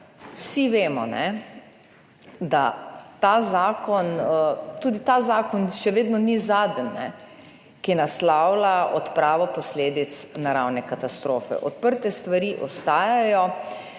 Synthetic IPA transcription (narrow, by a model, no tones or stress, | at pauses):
wsiʋeːmɔ̰nɛ | d̪a̰t̪azaːkɔnt̪uːd̪it̪azaːkɔnʃɛʋeːd̪nɔnizaːd̪ənːɛ̰ | kiɛnaslawlaɔt̪pɾaːʋɔpɔsleːd̪it̪snaɾawnɛkat̪ast̪ɾoːfɛ̰ʔɔt̪̚pəɾt̪ɛst̪ʋaɾiʔɔst̪aːjajɔ